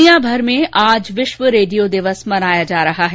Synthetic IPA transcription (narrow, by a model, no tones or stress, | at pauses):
ijãbʱɐɾmẽʔaːd͡ʒʋɪʃʋəɾeːɖijod̪ɪʋəsmɐnaːjad͡ʒaːɾɐɦaɦɛː